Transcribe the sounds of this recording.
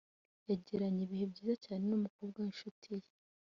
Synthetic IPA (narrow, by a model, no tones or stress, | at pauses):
jaɟiɾaɲiβihebɟiːzacaːne̞numukoːbɡanʃutʰije